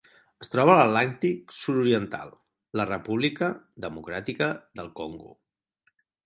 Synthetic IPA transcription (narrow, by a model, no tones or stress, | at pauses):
əst̪ɾɔβələtlant̪iksuɾuɾiənt̪a̰lˠ | lərəpuβlikə | ðəmukɾat̪ikəðəlˠkoŋɡṵ